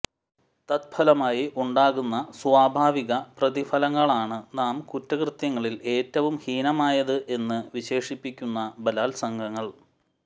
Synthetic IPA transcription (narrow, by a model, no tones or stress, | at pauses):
t̪ɐt̪̚bʰɐlɐmaːjiʔuɳɖaːɣunːɐsʋaːbʱaːʋiɣɐprɐðifɐlɐŋːɐɭaːɳɨnaːmkutːɐkrɨt̪jɐŋːɐɭile̞ːtːɐʋumhiːnɐmaːjɐðɨʔe̞nːɨʋiɕe̞ːʂipːikʲːunːɐbɐlaːlsɐŋɡʱɐŋːɐɭ